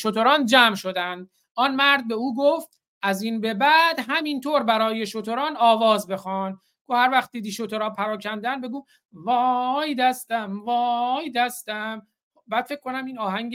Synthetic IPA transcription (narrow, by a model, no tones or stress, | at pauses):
ʃot̪oɾɒːnd͡ʒæmʃo̞d̪ænd̪̥ | ʔɒnmæɾd̪̚be̞uːɡoft̪ | ʔæziːnbe̞bæd̪̥ɦæmint̪ʰoːɾbæɾɒːje̞ʃot̪ʰo̞ɾɒːnɒːvɒːzbe̞xɒːn | ɡohæɾvæxχt̪̚d̪iːd̪iːʃot̪ʰoɾɒːpʰæɾɒːcʰænd̪ænbeɡuː | vɒjd̪æst̪æmvɒjd̪æst̪æm | obæːd̪̥fek̚ʰːkːonæmiːnɒːɦæŋ